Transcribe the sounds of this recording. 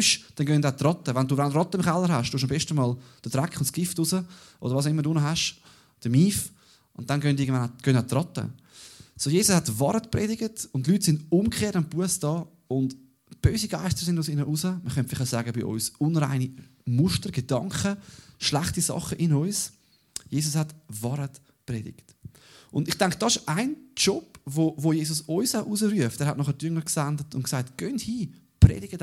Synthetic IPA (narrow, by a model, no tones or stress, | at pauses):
ʃd̥ɛnɡœndat̪ɾɑtəʋanduːvanɾɑtːəɪmχɛlːəɾɦaʃd̥uːʃ̬ɑmbɛʃtəmɑːld̥ədɾakχʊntsɡ̥ɪftusəʔo̰dəvʋɑs̬aʊɪmːədunəɦaʃ | d̥əmiːf | ʔʊnt̪̚ːanɡœndɪɡəndvanaɡ̥œndatɾɑtə̰sojeːsʊshatvɑɾətprɛːdɪɡətʊnt̬lyːtsɪndʊmkχeːtampuəsd̥ɑː | ʊnd | b̥øːsiɡaɪstəɾsɪndʊsɪnəʔusəməχœntfɪlɪχaʊsæːɡəbɪʔɔ̰ʏsʊnɾa̰ɪnimʊʃtəɾɡ̥edɑŋkχəʃlæχtisɑ̰χəʔɪnɔʏs | jeːsʊshatvɑɾət | prɛːdɪ̰kt | ʔʊndɪχtaŋkd̥ɑsɪʃaɪnt͡ʃɔpvoːvojeːsʊsɔʏsaʊʔusəɾyəftɛːɾhatnɔχədʏŋəksandətʊntksaɪtɡ̥œnthiː | prɛ̰ːdɪɡəd